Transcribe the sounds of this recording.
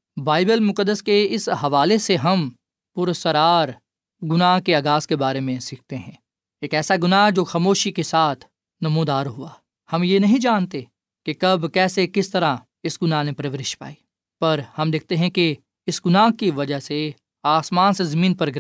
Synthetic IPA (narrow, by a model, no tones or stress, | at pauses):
baːɪbəlmʊqəd̪ːəskeɪsɦɐʋaːleseɦɐm | pʊɾsəɾaːɾ | ɡʊnaɦkeaːɡaːskebaːɾemẽsiːk̚ʰt̪eɦɛ̃ː | eːkɛːsaɡʊnad͡ʒoːxɐmoːʃikesaːt̪ʰ | nɐmũːd̪aːɾɦʊaː | hɐmjenɐɦĩd͡ʒaːnt̪e | kekɐbkɛːsekɪst̪ɐɾa | ɪsɡʊnanẽpɾɐʋɾɪʃpa̰ːiː | pɐɾhɐmd̪ɪk̚ʰt̪eɦɛ̃ke | ɪsɡʊnaːkiʋɐd͡ʒəɦse | aːsmãːnsezɐmiːnpɐɾɡɪ